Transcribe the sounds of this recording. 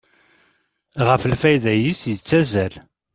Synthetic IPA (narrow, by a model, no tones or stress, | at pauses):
ʁəfəlfæjðæjisjət͡sːæzæl